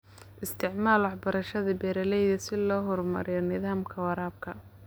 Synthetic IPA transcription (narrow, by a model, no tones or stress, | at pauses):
ʔɪst̪ʰɪʕmaːlwɑħbɐɾɐʃɐðɐbɛːɾɐlɛjðɐsɪlɔːɦɔrmɐ̰ɾɪjɔnɪðaːmkʰɐwɑɾaːb̚kʰɐ